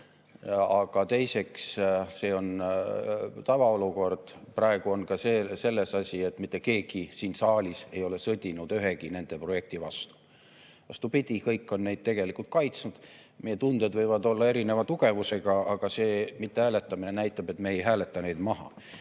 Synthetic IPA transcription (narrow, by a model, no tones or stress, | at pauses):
ɑɡ̥ɑt̪e̞jse̞ksse̞ːo̞n | t̪ɑvɑoluko̞rd̪̥prɑe̞ɡ̥uo̞nkɑsese̞lːe̞sɑsʲie̞t̪ːˑmit̪ːˑe̞ke̞ːɡ̥isiːnsɑːlʲise̞jo̞le̞sɤd̪ʲinud̪yɦe̞ɡine̞nd̪̥e̞pro̞je̞k̚t̪ivɑst̪u̥ | ɑst̪upid̪ʲikɤjkːo̞nːe̞jd̪̥̚t̪e̞ɡe̞likˑult̪̚kɑjt̪snud̪̥ | me̞jːet̪und̪e̞d̪vɤjvɑd̪o̞lːɑe̞ɾine̞vɑt̪uɡ̥e̞vuse̞ɡ̥ɑɑɡ̥ɑse̞ːmit̪ːe̞hæːle̞t̪ːˑɑminenæjt̪ːˑɑb̥e̞t̪ːˑmeːjɦæːle̞t̪ːˑɑne̞jd̪mɑɦɑ̰